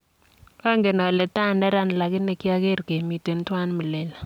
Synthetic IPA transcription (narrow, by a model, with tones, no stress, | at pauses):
ɛ˦ŋɡe˨nɔ˨lɛ˨ta˦˨ndɛ˦ɾa˦n˨la˨kɪ˦nɛ˨˦kɪ˦a˦ke˦ɾke˨mi˨te˨n˦twa˦nmə˨le˨l